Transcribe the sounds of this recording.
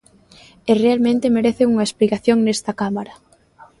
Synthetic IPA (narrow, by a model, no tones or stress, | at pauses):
erealmẽnt̪ɪmeɾeθɪuŋɐesplikaθjoŋnest̪ɐkamaɾɐ